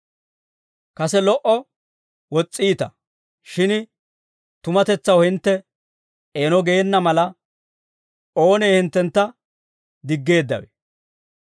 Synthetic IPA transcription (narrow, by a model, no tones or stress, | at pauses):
kɐsɛlɔʔɔ | wɔt͡sʼːiːt̪ɐ̰ | ʃɪn | t̪ʊmɐt̪ɛt͡sːɐwhɪnt̪ːɛ | eːnɔɡeːnːɐmɐlɐ | o̞ːneːhɪnt̪ːɛnt̪ːɐ | d̪ɪɡːe̞ːd̪ːɐ̰wɛ̰